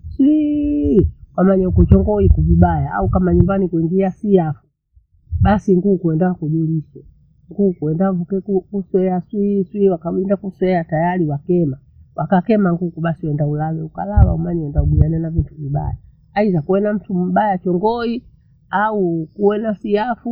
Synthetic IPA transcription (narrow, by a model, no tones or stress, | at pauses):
swi | wamaɲaukut͡ʃɔŋɡɔikuviɓajaa̰ukamaɲumbanikwiŋɡiasiafu̥ | ɓasiŋɡuːkuɛndakuʄuliswɛ | ŋɡukuɛndavukɛkukuswɛaswiswiwakawindakuswɛatajaliwakɛma | wʔakakɛmaŋɡukuɓasiwɛndaulawɛuka̰lawa̰umaɲwɛndauɓianɛnavintuviɓa̰ja | aizakuwɛnam̩tum̩ɓajat͡ʃɔŋɡɔi | aukuwɛnasijafu